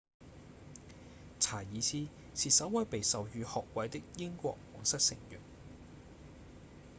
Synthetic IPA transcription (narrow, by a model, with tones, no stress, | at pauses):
t͡sʰaː˨˩jiː˨˧t͡sʰiː˥ | siː˨sɐ˨˥wwɐ˨˥jpe˨jsɐ˨wjyː˨˧hɔː˨k̚wɐ˨˧jt̪ɪ˥k̚jɪ˥ŋkʷɔ̰ː˧k̚wɔː˨˩ŋsɐ˥t̚sɪ˨˩ŋjy̰˨˩n